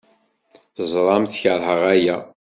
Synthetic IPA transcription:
θəzˤɾˤɑmθçəɾˤhəʁæjæ

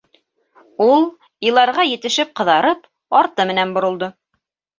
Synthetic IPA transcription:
ulˠ | ilˠɑɾʁɑjɘ̆t̪ɘ̆ʃɘp̚qɤ̆ðɑɾɤp | ɑɾt̪ɤmɘ̆nænbŏɾŏlˠd̪ɤ

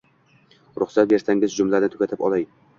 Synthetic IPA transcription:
ɾʊχsat̪̚be̞ɾsaŋɪzd͡ʒʊmlanɪt̪ʰʊ̥kʲat̪ʰɪpɒlˠaj

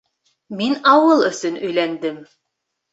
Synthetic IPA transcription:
minɑwɤlˠɵ̆sɵnʔɵ̆jlænd̪ɘm

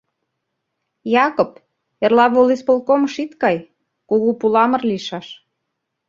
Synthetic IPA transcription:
jɑkop | erlɑβolispolkoməʃit̪kɑj | kuɣupulɑmə̆rliʃɑʃ

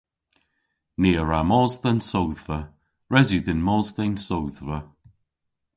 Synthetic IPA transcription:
neːəɹamɔːzðənsowðvə | ɹɛziðɪnmɔzðɛnsowðvə

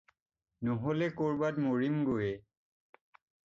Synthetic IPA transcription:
noɦolɛkoɹbatmoɹimɡojɛ

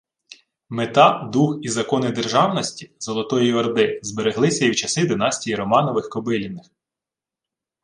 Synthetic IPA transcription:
met̪ɑd̪uxizɐkɔnɪd̪e̞rʒɑwnɔsʲtʲizɔlˠɔt̪ɔjiɐrd̪ɪzbeɾeɦlˠɪsʲɐiwt͡ʃɐsɪd̪ɪnɑsʲtʲijiɾɔmɑnɔʋɪxkɔbɪlʲinːɪx

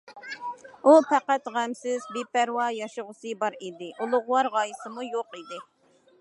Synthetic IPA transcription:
upʰæqæt̪ʁæmsɪzbepæɾwɑjɑʃəʁʊsɨbɑɾid̪ɪʔulˠʊʁʊwɑɾʁɑjisɨmujoqid̪ɪ

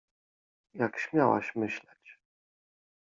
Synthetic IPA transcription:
jakɕmʲjawa̰ɕmɘɕlɛt͡ɕ

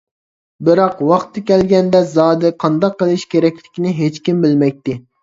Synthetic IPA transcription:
bɪɾɑqwɑχt̪ʰːɨkʲɛlɡʲɛnd̪ɛzɑːd̪ɨqʰɑnd̪ɑqːəlˠɨʃkʲʰeɾɛkʲlɪkʲinɪɦet͡ʃkʲimbɪlmɛk̚ʲt̪ɪ

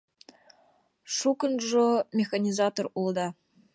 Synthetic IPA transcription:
ʂukɤnʐomʲexanʲizɑt̪orulˠd̪ɑ

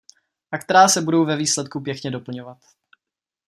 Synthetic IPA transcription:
ʔakt̪ɛɾaːsɛbudo̞wvɛviːslɛt̪̚kupjɛkɲɛdo̞pl̩ɲovat̪

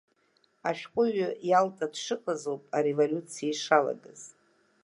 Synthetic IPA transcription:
aʃᶣqʷʼʊɥajaltʼadʂɨkʷʼazowpʼaɾevolʲut͡sʰijaiʂala̰ɡɨz̥

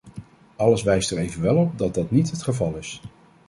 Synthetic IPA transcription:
ɑləsʋɛjstəɹejvənʋɛlˠɔp̚dɑt̚dɑtnitɦətχəvɑlˠɪs

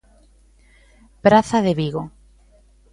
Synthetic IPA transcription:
pɾaθaðeβiɣo

